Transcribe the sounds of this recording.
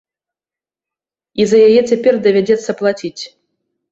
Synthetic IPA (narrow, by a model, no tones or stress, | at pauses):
izɐjajɛt͡sʲapʲɛrd̪ɐvʲad͡zʲɛt̪sːɐplˠat͡sʲit͡sʲ